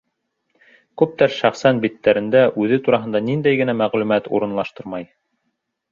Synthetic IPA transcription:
kʉp̚t̪æɾʃæχsænbit̪ːæɾɘ̆nd̪æʔʉðɘt̪uɾɑɦɤ̆nd̪ɑnind̪æjɡɘ̆næmæʁlʉmæt̪ṵɾɤ̆nlˠɑʃt̪ɤɾmɑj

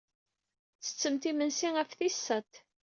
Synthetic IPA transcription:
θə̥t͡sːəmt̪imənsiæfθisːət̪

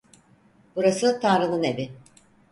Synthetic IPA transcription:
b̥uɾasɯt̪ʰanɾɯnɯne̞bɪ

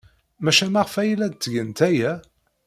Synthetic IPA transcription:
mæʃæmæʁfæjəlæd̪̚t͡s̪ːəʝənt̪æjæ

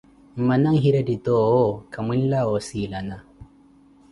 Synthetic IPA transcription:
m̩manaŋɦiɾadit̪ɔɔkamwinlaɔsilana

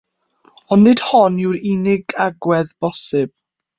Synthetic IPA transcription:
ɔnːɪd̥hɔnɪwɾɪnɪɡaɡwɛðb̥ɔsɪb̥̚

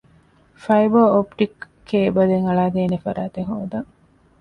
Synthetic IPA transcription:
fɐjbɐopʈikː | ebɐd̪eŋɐɭaːd̪eːnefɐɾaːt̪eɦoːd̪ɐŋ

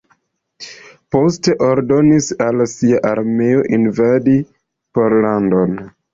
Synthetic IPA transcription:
po̞ste̞ʔo̞ɾdo̞nisalsiaʔaɾme̞o̞ʔinvadi | po̞ɾlando̞n

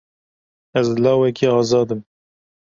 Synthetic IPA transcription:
ɛzlɑːwɛkiːɑːzɑːd̪ɨm

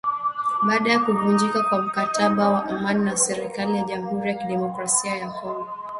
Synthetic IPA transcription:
ɓaːɗajakuvund͡ʒikakwam̩kataɓawaʔumaninasɛɾikalijaʄam̩huɾijakiɗɛmɔkɾasiajakʰɔŋɡɔ

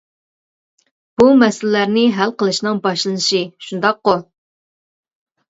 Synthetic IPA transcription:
b̥umɛsɪllæɾnɪɦælqəlˠɨʃnɨŋbɑʃlˠɨnɨʃiʃund̪ɑqːo

